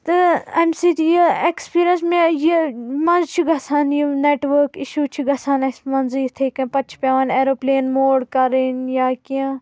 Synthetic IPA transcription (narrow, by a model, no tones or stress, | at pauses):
t̪ɨɐmsid͡ʒjiekspiːɾijɐnsmẽjimɐ̃nzt͡ʃʰiɡʱɐsʰaːnjineːʈʋəɾkiʃuːt͡ʃʰiɡɐsaːnɐsmɐnziːɾt̪ʰeːkɐ̃pɐt͡ʃʰpʲaːʋaneːɾoːpleːnmoːɽkɐɾinjaːkiã